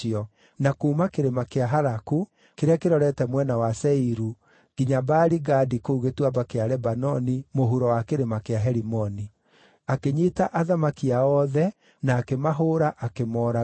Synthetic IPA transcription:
iɔ | nakuːmakeɾemakeaɦaɾaku | keɾeakeɾɔɾɛtɛmwɛnawasɛiɾu | ɡ̥iɲabaɾiɡadikouɣetwabakeaɾɛbanɔnimoɦuɾɔwakeɾemakeaɦɛɾimɔni | akeɲitaʔaðamakiaɔðɛ | naːkemaɦoːɾaʔakemɔːɾa

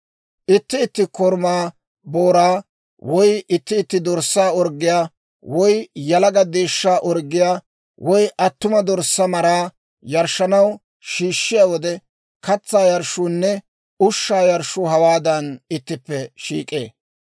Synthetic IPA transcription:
ʔɪt̪ːɪːt̪ːɪkɔɾmaː | boːɾaː | wɔjɪt̪ːɪːt̪ːɪd̪ɔɾsːaːɔɾɡːɪjaː | wɔjjɐlɐɡɐd̪eːʃːaːʔɔɾɡɪjaː | wɔjʔɐt̪ːʊmɐd̪ɔɾsːɐmɐɾaː | jɐɾʃːɐnɐw | ʃiːʃːɪjaːwɔd̪ɛ | kɐt͡sːaːjɐɾʃunːɛ | ʊʃːaːjɐɾʃʊhɐwaːd̪ɐnɪt̪ːɪpːɛʃḭːkʼḛː

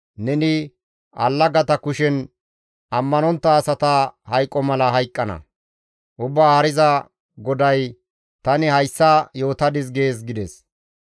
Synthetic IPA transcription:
nɛnɪ | ʔɐ̰lːɐɡɐt̪ɐkʊʃɛn | ʔɐmːɐnɔnt̪ːɐːsɐt̪ɐhɐjkʼːɔmɐlɐɦɐjkʼːɐnɐ̰ | ʔʊbːaːhɐɾɪzɐ | ɡɔd̪ɐj | t̪ɐnɪhɐjsːɐjo̞ːt̪ɐd̪ɪsɡe̞ːs̬ɡɪd̪ɛs

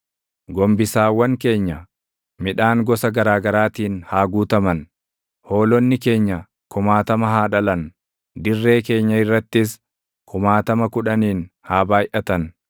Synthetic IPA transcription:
ɡɔmbɪsaːwːɐŋke̞ːɲːɐ | mɪᶑaːŋɡɔsɐɡɐɾaːɡɐɾaːt̪iːnhaːɡuːt̪ɐmɐn | ho̞ːlɔnːɪke̞ːɲːɐ | kʊmaːt̪ɐmɐɦaːᶑɐlɐn | d̪ɪrːe̞ːke̞ːɲːɐɪrːɐt̪ːɪs̬ | kʰʊmaːt̪ɐmɐkʊᶑɐniːnhaːbaːjʔɐt̪ɐn

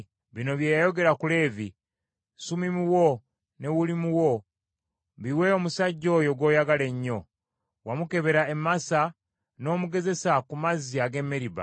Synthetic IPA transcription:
βino̞βjeːjajo̞ɡe̞ɾakule̞ːvi | sumimuwo | ne̞wulimuwo̞ | βiwe̞omusaɟːo̞ːjo̞ɡwo̞ːjaɡale̞ɲːo̞ | wamuke̞βe̞ɾae̞mːasa | no̞ːmuɡe̞ze̞sakumaziaɡe̞mːeɾiβa̰

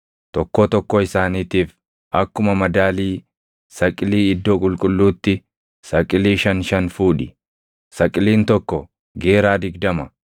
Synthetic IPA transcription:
t̪ɔkːoːt̪ɔkːɔɪsaːniːt̪iːf | ʔɐkːʊmɐmɐd̪aːliː | sɐkʼɪliːɪd̪ːoːkʼʊlkʼʊlːuːt̪ːɪ | sɐkʼːɪliːʃɐnʃɐnfuːᶑɪ | sɐkʼːɪliːnt̪ɔkːɔ | ɡe̞ːɾaːd̪ɪɡd̪ɐmɐ

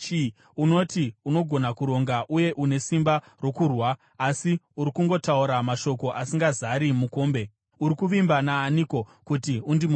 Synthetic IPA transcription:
uno̞tiuno̞ɡʱo̞nakuɾo̞ŋɡaʔuje̞ʔune̞simba | ro̞kurwaː | siuɾikuŋɡo̞tauɾamaʃo̞ko̞ʔasiŋɡazaɾimuko̞ːmbe̞ | uɾikuʋimbanaːniko̞kutiundimu

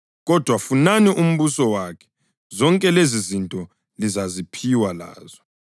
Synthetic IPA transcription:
ɣɔd̥ʱwafunaniʔum̩βusɔwakʰɛ̥ | zɔŋkʼɛlezizintʼɔ | lizazipʰiwala̰ːzɔ

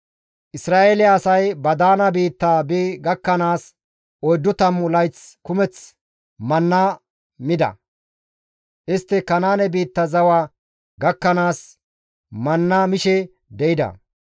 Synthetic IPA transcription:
ʔɪsɾaːʔeːlɪːsɐjbɐd̪aːnɐbiːt̪ːaːbiɡɐkːɐnaːs | ɔjd̪ːʊt̪ɐmʊlɐjt͡skʊmɛt͡s | mɐnːa | mɪd̪ɐ̰ | ʔɪst̪ːɪkɐnaːnɛbiːt̪ːɐzɐwaː | ɡɐkːɐnaːs | mɐnːɐmɪʃɛ | d̪ɛɪd̪ɐ̰

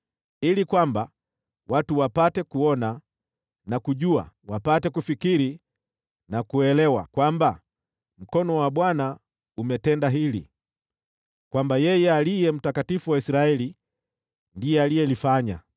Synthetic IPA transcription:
ilikwamba | watuwapatɛkuɔna | nakuʄua̰ | wapatɛkufikiɾi | nakuɛlɛwa̰kwamba | m̩kɔnɔwaɓwana | umɛtɛndaɦilḭ | kwambajɛjɛalijɛm̩takatifuwaisɾaɛli | ndiɛalijɛlifaɲa̰

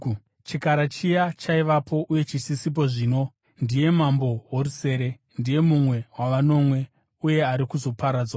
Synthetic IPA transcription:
t͡ʃikaɾat͡ʃijat͡ʃaiʋapʰo̞ʔuje̞t͡ʃisisip̬o̞ʐiːno̞ | ndije̞mambo̞woruse̞ɾe̞ | ndije̞mumwe̞waʋano̞mwe̞ | uje̞aɾikuzo̞paɾaːd͡zwa

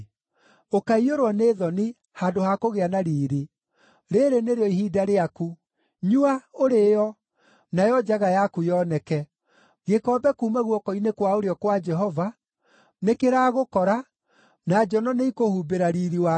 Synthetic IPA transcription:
okaioɾwɔneðɔni | hadohakoɣeanaɾiːɾi | ɾeɾeneɾeɔihiːdaɾeaku | ɲuaoɾejɔ | najɔd͡ʒaɣajakujɔnɛkɛ | ɣekɔbɛkuːmaɣwɔkɔinekwaoɾeɔkwad͡ʒɛɦɔva | nekeɾaːɣokɔɾa | nad͡ʒɔnɔneikohubeɾaɾiɾiwa

